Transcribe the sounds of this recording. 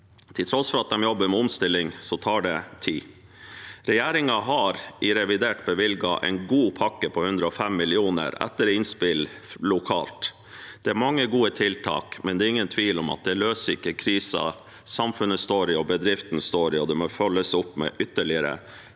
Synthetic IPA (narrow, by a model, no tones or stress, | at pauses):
t̪ʰɪlt̪ʰɾɔsfɔɾɑt̪̚d̪ɛmjɔbːəɾmɛɔmst̪ɪlːɪŋsɔt̪ʰɑːɖɛt̪ʰiː | ɾɛjæːɾɪŋɑɦɑɾʔɪɾɛʋɪd̪eːʈbəʋɪlɡɑʔɛ̰ɪnɡuːpʰɑkːəpʰɔhʉnd̪ɾəɔfɛmːɪlɪuːnə̰ɾɛ̰t̪ːəɾɪnspɪl | lʊkʰɑ̰ːlt̪ | d̪̥ɛæɾmɑŋːəɡuːət̪ʰɪlt̪ʰɑ̰ːkmɛnd̪ɛːɾɪŋːənt̪ʰʋiːlɔmɑ̰t̪̚d̪ɛløːsəɾɪkːəkʰɾiːsɑ̰ | sɑmfʉnːəst̪oːɾɪɔbəd̪ɾɪft̪n̩st̪oːɾɪɔd̪ɛmɔfœlːəsɔpːmɛ̰ʔʏt̪ːəɭɪəɾə̰